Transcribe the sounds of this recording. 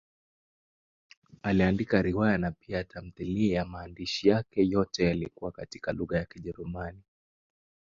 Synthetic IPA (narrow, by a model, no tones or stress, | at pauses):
aliandikaɾiwajanapiatʰam̩θiliɛjamaːndiʃijakɛjɔtɛjalikuwakati̥kaluɣajakiʄɛɾumani